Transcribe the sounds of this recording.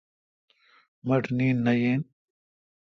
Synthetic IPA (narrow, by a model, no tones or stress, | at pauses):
mɐʈniːnːɐjeːn